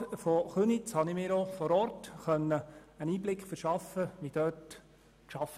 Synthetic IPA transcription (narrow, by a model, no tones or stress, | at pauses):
fɔχønit͡shɑnɪmɪːɾofɔɾɔɾtχœnːəəniːblɪkχfəɾʃɑfəʋid̥œːt | ʃɑf